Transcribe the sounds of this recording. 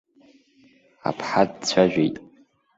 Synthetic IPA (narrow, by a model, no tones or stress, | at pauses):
a̰pʰħadt͡ɕʷʰaʒᶣʷejtʼ